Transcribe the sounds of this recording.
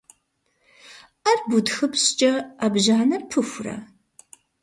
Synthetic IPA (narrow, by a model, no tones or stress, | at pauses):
arbudxɨpɕt͡ʃʼɐabʒaːnɐrpʰɨxʷrɐ̰